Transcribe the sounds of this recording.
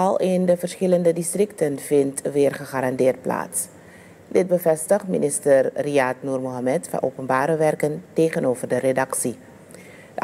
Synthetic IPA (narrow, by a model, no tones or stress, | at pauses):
ɑlˠendəvərsχɪləndədistrɪk̚tənvɪntʋɪːərχəχaɾɑndɪːrt̚pla̰ːts | dɪt̚bəvɛstəχtmḭnʔɪstərriatnuːrmoɦamɛtfɑ̰nʔo̰ːpənbaːɾəʋɛrkənteːχənoːvərdəredɑksi | ə